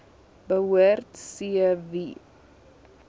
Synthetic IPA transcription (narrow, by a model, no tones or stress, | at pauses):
bəɦuərtsiəvi